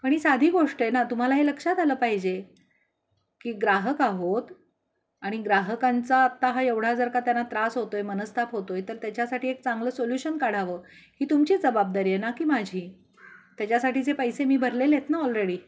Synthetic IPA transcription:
pəɳ̃iːsad̪ʱiːɡoʂʈenat̪um̤alaɦeləkʂat̪ʰaləːpaɦid͡ʑe | kiːɡɾaɦəkaɦot̪ | aɽ̃iɡɾaɦəkant͡saət̪ːaɦajeʋɽ̤ad͡zəɾkat̪janːat̪ɾasɦot̪oemənəst̪ʰapɦot̪ojt̪əɾt̪jat͡ɕjasaʈiːek̚t͡sãŋɡləːsoljuɕənkaɽ̤aʋəː | hiːt̪umt͡ɕid͡zəbab̚d̪aɾiːenakiːmad͡ʑʱiː | t̪jat͡ɕjasaʈiːt͡sepəjsemiːbʱəɾleljet̪naɔlɾeɽiː

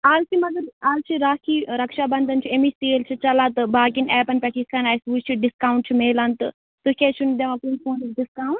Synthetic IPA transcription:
aːlt͡ʃʰimɐɡɐɾaːlt͡ʃʰiɾaːkʰiːɾɐkʃabɐnd̪ɐnt͡ʃʰiemist̪eːlt͡ʃʰit͡ʃɐlãːt̪ɨbaːkinɛːpɐnpʲɐʈʰiːskɐnaːjsʋut͡ʃʰiɖɪskaːũɳʈ̚t͡ʃʰimeːlant̪ɨ̰ | t̪uket͡ʃʰund̪eʋãkunpõːniɖiskaːuɳʈ

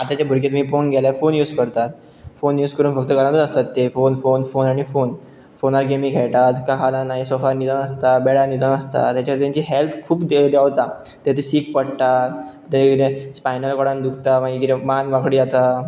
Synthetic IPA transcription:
at̪at͡ɕjabʱuɾket̪miːponɡʱɛlafonjuːd͡zkəɾt̪at̪̚ | fonjuːd͡zkəɾuːnfək̚t̪əkəɾãt̪əəst̪at̪ːefonfonfonaɽ̃ifon | fonaɾɡemiːkʰɛɭʈ̪at̪kəɦalanaɦisofaɾnid̪anəst̪abɛɽanid̪anəst̪a̰t̪jat͡ɕaaɾet̪ãɲt͡ɕiːɦelt̪ʰkʰuːpd̪d̪jaʋt̪a | t̪et̪ʰesiːk̚pəɽt̪at̪ | t̪ait̪espajnəlkɔɽand̪ukʰt̪amaɡikit̪emanʋakɽiːd͡zat̪a

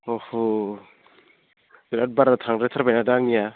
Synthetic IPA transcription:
oho | biɾat̚baɾat̪ʰaŋɾat̪ʰaɾbajnadaŋnija

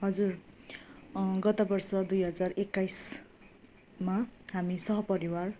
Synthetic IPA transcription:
ɦʌd͡zur | ɡʌt̪ʌbʌrsʌd̪ujɦʌd͡zarekːajs | maɦamisʌɦʌpʌɾiwar

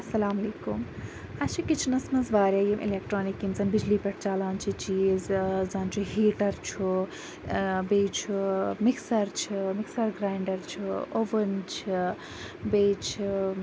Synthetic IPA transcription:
ɐsɐlaːmɐleːkum | aʃikit͡ʃʰnɐsmɐzʋaːɾjajemʔḭlek̚ʈɾoːnikimsɐnbid͡ʒlipɐʈʰt͡ʃaːlaːnt͡ʃʰit͡ʃizzaːnt͡ʃʰuɦiːʈɐɾt͡ʃʰu | bejt͡ʃʰumiksɐɾt͡ʃʰimiksɐɾɡɾaːjɳɖɐɾt͡ʃʰuoʋɐnt͡ʃʰi | bet͡ʃʰi

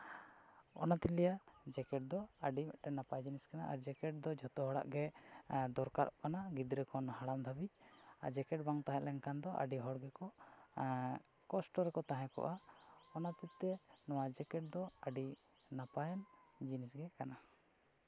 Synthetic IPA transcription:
ɔ̰nat̪ilɛjad͡ʒɛkɛʈ̚d̪ɔaɖimɛʔʈɛnːapajd͡ʒiniskanaʔa̰ɾd͡ʒɛkɛʈ̚d̪ɔd͡ʒʱɔt̪ɔɦɔɽa̰ʔɡɛd̪ɔɾkaɾʔɔʔkanaɡid̪ɾɛkʰɔnɦaɽamd̪ʱabiad͡ʒɛkɛʈ̚baŋt̪aɦɛ̃lɛŋkand̪ɔʔa̰ɖiɦɔɽɡɛkɔ | kɔsʈɔɾɛkɔt̪aɦɛ̃kɔ̰ʔaɔnat̪it̪ːɛnɔwad͡ʒɛkɛʈ̚d̪ɔaɖi | napajɛnd͡ʒinisɡɛkana

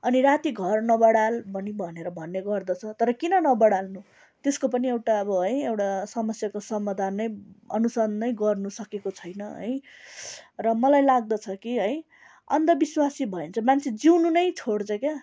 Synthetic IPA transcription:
ʌniɾat̪iɡʱʌrnʌbʌɽalbʱʌnibʱʌneɾʌbʱʌnːeɡʌrd̪ʌt͡sʰʌt̪ʌɾʌkinʌnʌbʌɽalnu | t̪eskopʌniewʈaʌbʌɦʌjewʈasʌmʌsjakosʌmad̪ʱanːʌjʌ̰nusʌnʌjɡʌrnusʌkekot͡sʰʌjnʌɦʌ̰j | rʌmʌlajlaɡ̚d̪ʌt͡sʰʌkiɦʌj | ʌnd̪ʌbiswasibʱʌent͡sʰʌmant͡sʰed͡ziwnunʌjt͡sʰoɽt͡sʌkja

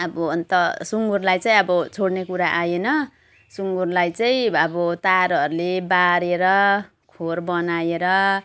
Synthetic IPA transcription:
ʌbʌʌnt̪ʌsuŋɡurlajt͡saĩʌbʌt͡sʰoɽnekuɾaʔajenʌ | suŋɡurlajt͡saĩʌbʌt̪aɾɦʌɾulebaɾeɾʌ | kʰorbʌnajeɾʌ

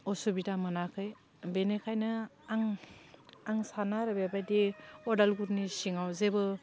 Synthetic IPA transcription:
ɔsubidamɯnakʰɯj | benekʰajnɯ | aŋ | aŋsanaɾɯbebajdiɔdalɡuɾnisiŋawzebɯ

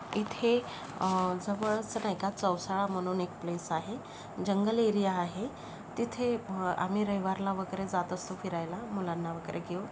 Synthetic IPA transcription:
it̪ʰe | d͡zəʋəɭt͡sənajkat͡səwsaɭam̤əɽ̃uːnek̚plesaɦe | d͡ʑəŋɡəleɾijaːɦe | t̪it̪ʰea̰m̤iɾəɦjʋaɾlaʋəɡəɾed͡zat̪əst̪ofiɾajlamulanːaʋəɡəɾeɡʱeu

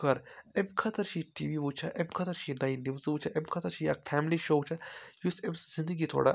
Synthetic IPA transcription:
kɐɾemkʰɐt̪ʰɐɾt͡ʃʰiʈiːʋiʋut͡ʃʰaʔemkʰɐt̪ɐɾt͡ʃʰinɐinizʋut͡ʃʰaʔemkʰɐt̪ʰɐɾt͡ʃʰijak̚fʰæːmliʃoːwt͡ʃʰajusemszind̪əɡit̪ʰo̰ːɽa̰

